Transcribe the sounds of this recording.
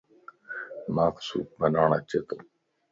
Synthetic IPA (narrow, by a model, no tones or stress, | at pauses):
maːksṵːbənaːɳat͡ɕet̪o